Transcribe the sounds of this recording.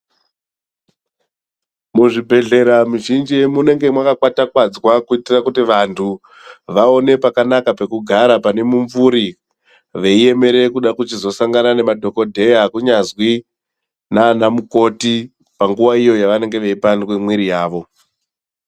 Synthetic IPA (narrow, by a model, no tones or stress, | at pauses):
muʐibʱe̞ɮe̞ɾamuʒind͡ʒiemune̞ŋɡe̞mwakakwatakwad͡zwakuitirakutiʋantʰu | ʋao̞ne̞pakanakape̞kuɡʱaɾapane̞muɱvuɾi | ʋe̞ie̞me̞ɾe̞kuɗakut͡ʃizo̞saŋɡanane̞madʱo̞ko̞dʱe̞jakuɲazwi | naːnamuko̞ti | paŋɡuʋaijo̞jaʋane̞ŋɡe̞ʋe̞ipanwemwiɾijaːʋo̞